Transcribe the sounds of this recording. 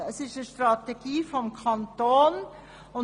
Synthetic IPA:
ɛsɪʃtəʃtʁɑteɡ̥iːfɔmkʰɑntoːn | ʊ

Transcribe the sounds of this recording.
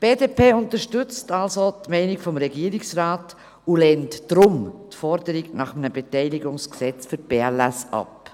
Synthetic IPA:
b̥eːdeːpʰeːʊntəɾʃtʏt͡stɑlzotmɛɪnɪkfɔmɾɛɡiːɾiksɾaːt | ulɛntd̥ɾʊmtfɔɾdəɾiɡnɑχəmənəbetɛɪliɡʊŋsksɛt͡sfyɾt̚b̥eːɛlæsɑ̰p

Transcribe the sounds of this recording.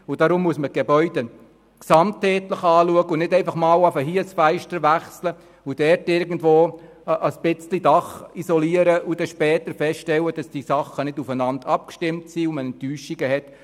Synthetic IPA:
ʊd̥ɑɾʊmːuəsmət̚ɡ̥ebœʏde | ksɑmtɛːtləχɑːluəɡəʊnɪdɛɪfɑχmɑːlafəɦiəsfæɪʃtəɾʋæχslə | ud̥ɛrtɪɾɡən̩dʋoː | ʔəsb̥ɪt͡slidɑχisɔliəɾəʔud̥ɛʃpɛːtəɾfɛstʃtɛwəd̥ɑsd̥isɑχːənɪdufənɑndɑp̚kʃtɪmtsiʊmənɛntyːʃiɡəhɛt

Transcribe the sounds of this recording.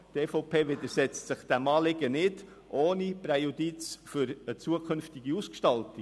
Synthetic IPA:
t̪eːfɔʊpʰeːʋɪd̪əɾsɛt͡stsɪχd̥æmɑːlɪɡənɪd | ʔoːnipɾɛjud̪it͡sfʏɾət͡suəkʰʏnftɪɡiuskʃtɑlti

